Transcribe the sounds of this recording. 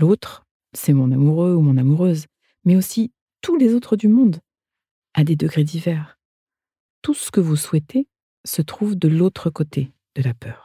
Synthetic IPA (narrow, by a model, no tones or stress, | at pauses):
lot̪χ | sɛmɔ̃namuʁøumɔ̃namuʁøz | mɛosi | t̪ulezot̪χəd̪ymɔ̃d̪ | ad̪ed̪əɡʁed̪ivɛʁ | t̪usə̥kəvuswɛt̪ʰe | sət̪χuvd̪əlot̪χəkot̪ʰe | d̪̥əlapʰœːʁ